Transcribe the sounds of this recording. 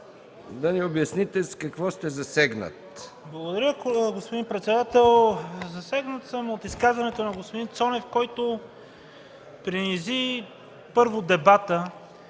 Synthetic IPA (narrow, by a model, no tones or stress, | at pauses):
d̪ɐniobjɐsnit̪ɛskɐkvɔst̪ɛzɐsɛɡnə̰t̪ | blˠɐɡod̪ɐɾʲəɡospod̪inpɾɛt̪sɛd̪at̪ɛlˠzɐsɛɡnət̪səmot̪iskazvɐnɛt̪onɐɡospod̪int̪sɔnɛfkɔjt̪o | pɾinizi | pɤɾvod̪ɛbat̪ə